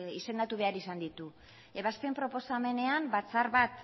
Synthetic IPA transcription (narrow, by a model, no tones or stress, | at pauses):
ise̞nd̪at̪uβe̞aɾisand̪it̪u | e̞βast̪empɾo̞po̞same̞ne̞ambat͡saɾβat̪